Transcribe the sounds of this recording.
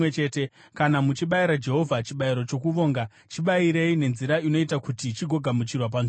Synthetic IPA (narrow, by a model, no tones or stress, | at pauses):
et͡ʃe̞te̞ | kanamut͡ʃiɓaiɾad͡ʒe̞ɦo̞vʱat͡ʃiɓaiɾo̞t͡ʃo̞k̬uʋo̞ːŋɡa | t͡ʃiɓaiɾe̞ine̞nziɾaino̞itakutit͡ʃiɡʱo̞ɡʱamut͡ʃirwap̬an